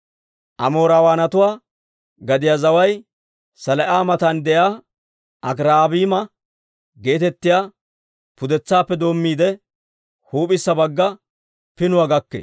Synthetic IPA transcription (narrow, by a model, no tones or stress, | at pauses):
ʔɐmo̞ːɾaːwaːnɐt̪ʊwaː | ɡɐd̪ɪjaːzɐwɐj | sɐlɐʔaːmɐt̪ɐnd̪ɛjaː | ʔɐkɾaːbiːmɐ | ɡe̞ːt̪ɛt̪ːɪjaː | pʊd̪ɛt͡sːaːpːɛd̪o̞ːmːiːd̪ɛ | huːpʼɪsːɐbɐɡːɐ | pɪnʊwaɡɐkːḛː